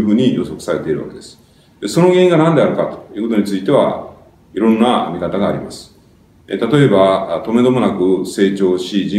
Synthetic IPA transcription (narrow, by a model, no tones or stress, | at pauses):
ɸɯ̟ːɲ̟ijo̰so̞kɯ̥saɾe̞t̪e̞iɾɯ̟βa̰ke̞d̪̥e̞sɨ̥ | d̪eso̞no̞ɡẽ̞ĩŋɡanãnd̪e̞aɾɯ̟kat̪o̥jiɨɯ̟ːkot̪oɲ̟it͡sɨit̪e̞βa̰ | iɾõ̞nːamʲikat̪aɡaːɾʲimasɨ̥ | ḛt̪at̪o̞e̞bat̪o̞me̞d̪o̞mo̞nakɯ̟se̞ːt͡ɕo̞ːɕiʑĩ